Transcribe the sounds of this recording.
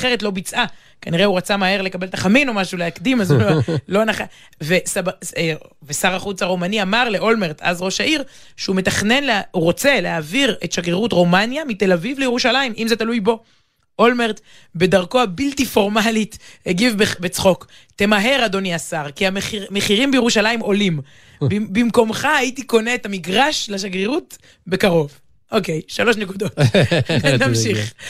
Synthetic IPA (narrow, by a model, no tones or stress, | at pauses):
χeʁetlo̞bit͡sʔa | kaniʁeuʁat͡samahe̞ʁle̞kabeltaχamino̞maʃuleakd̪imazulo̞naχa | vesabavesaʁaχut͡saʁo̞maniamaʁle̞ʔo̞lme̞ʁt̪a̰zʁo̞ʃaʔiʁ | ʃeumet̪aχne̞nleuʁo̞t͡se̞leaviʁet̪ʃaɡeʁutʁo̞manjamit̪e̞lavivlejeʁuʃalaimʔimzetalujbo̞ | olmeʁt̪ | be̞daʁko̞habiltifo̞ʁmalitheɡivbebet͡sχo̞k | te̞maɦe̞ʁado̞niasaʁkiaemeχiʁimbejeʁuʃalaimʔo̞lim | bimko̞mχaːjitiko̞ne̞ːtamiɡʁaʃlaʃaɡʁeʁut | be̞kaʁo̞v | ʔoke̞jʃalo̞ʃne̞kud̪o̞tnnamʃiχ